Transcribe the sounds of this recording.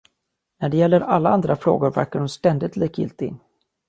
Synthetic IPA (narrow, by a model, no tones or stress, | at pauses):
næɖɛjɛlːəɾalːaand̪ɾafɾo̰ːɡʊɾvæ̰ɾkaɖhʊnst̪ɛnd̪ɪt̪ʰliːkɪ̰lt̪ɪ̰n